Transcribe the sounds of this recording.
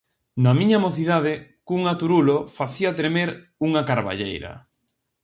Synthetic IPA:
nɐmiɲamoθiðaðɪkuŋat̪uɾulofaθiat̪ɾemeɾ | uŋɐkaɾβa̰ʎḛjɾɐ̰

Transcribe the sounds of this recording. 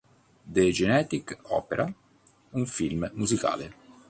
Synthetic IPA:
d̪ed͡ʒenɛːt̪ikɔ̰ːpeɾʔa | uɱfilmmuzika̰ːlɪ

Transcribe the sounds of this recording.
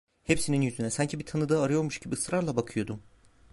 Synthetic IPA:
hepsininjyzynɛsaɲcʰibit̪ʰanɯd̪aaɾɯjo̞ɾmuʃɟ̥ibiɯsɾaɾlˠabakʰɯjo̞d̪um

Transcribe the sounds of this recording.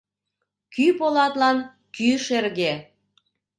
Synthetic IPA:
kypolɑt̪lɑn | kyʃerɣe

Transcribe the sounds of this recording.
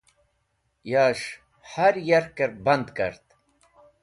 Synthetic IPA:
jaːʃ | haɾjɐɾkəɾbɐnd̪kɐ̰ɾt̪

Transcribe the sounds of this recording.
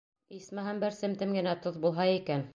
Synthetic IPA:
ismæɦæmbæɾsɘmt̪ɘmɡɘ̆næt̪oðbulˠɦɑikæn

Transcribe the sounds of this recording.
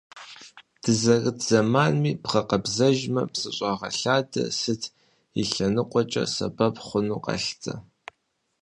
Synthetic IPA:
d̥ɨzɐrɨtʰz̥ɐmaːnmiːpʁɐqɐbzɐʒmɐpsɨɕʷʼɑʁɐɬaːdɐ̰sɨtʰ | ḭɬɐnɨqʷʼɔt͡ʃʼɐ̰sɐ̰bɐpχʷʊnuːqɐ̰ɬt͡sʼɐ

